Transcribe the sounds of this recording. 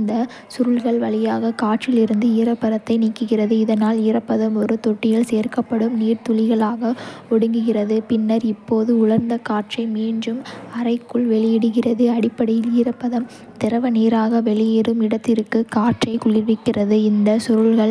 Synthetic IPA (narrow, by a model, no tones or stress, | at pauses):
nd̪ɐ | sʊɾɯɭɣɐɭʋɐɭɪjaːɣɐkaːʈt͡ʃɪlɪɾɯnd̪ɯiɾɐpːɐɾɐt̪ːɐɪniːkːɯɣɪrɐðɯɪðɐnaːlɪrɐpːɐðɐmɔɾɯt̪ɔʈːɪjɐɭseːrkɐpːɐɽɯmniːɾt̪ʊlɪɣɐɭaːɣɐɔɽɯŋɡɯɣɪrɐðɯpɪnːɐɾɪpːoːðɯʊɭɐɾnd̪ɐkaːʈrɐɪmiːnɖrɯmɐɾɐɪkːɯɭʋɛɭɪjɪɽɯɣɪrɐðɯɐɽɪpːɐɽɪjɪliːrɐpːɐðɐm | t̪ɪɾɐʋɐniːɾaːɣɐʋɛɭɪjeːɾɯmɪɽɐt̪ːɪɾɯkːɯkaːʈt͡ʃɐɪkʊɣɪʋɪkːɪrɐðɯɪnd̪ɐsʊɾɯɭɣɐɭ